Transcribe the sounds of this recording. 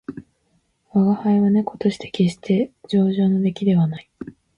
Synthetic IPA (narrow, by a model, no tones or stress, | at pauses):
βaɡahaiβane̞ko̞̥t̪o̞ɕi̥t̪e̞̥kʲe̞ɕi̥t̪ʰe̞d͡ʑo̞ːʑo̞ːno̞d̪e̞kʲid̪e̞βanai